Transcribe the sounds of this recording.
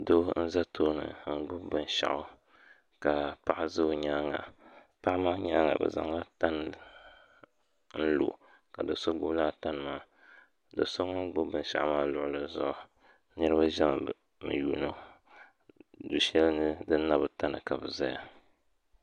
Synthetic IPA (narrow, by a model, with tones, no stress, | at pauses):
do˦n̩˦za˦tʰoː˦nɨ̰˨ŋ̩˦ɡ͡bʊ˦bɨ˨n˨ʃa̰˨ʔʊ˦ | ka˨pa˦ʔa˦zɨ˦ɲaː˦ŋa̰˨ | pa˦ʔmaː˦ɲa˦ŋa̰˨bɨ̰˨za̰˨ŋla˦ta˦nɨ˨ | n̩˦lo̰˨ | ka˨dɨ˨so˦ɡ͡bʊ˦blaː˦ta˦nɨ˨maː˦ | dɨ̰˨so˦ŋo˦ŋ˦ɡ͡bʊ˦bɨ˨n˦ʃa̰˨ʔmaː˦lʊ˨ʔʊ˦lɨ˨zʊ̰˦ʔʊ˦ | nɨ˦ɾɨ˦ba˦ʒɛ˦ŋ˨ | mɨ̰˨juː˨no˦ | du˨ʃɛ˦lnɨ˦dɨ˦na˦bɨ˨ta˦nɨ˨ka˨bɨ˨za˦ja˨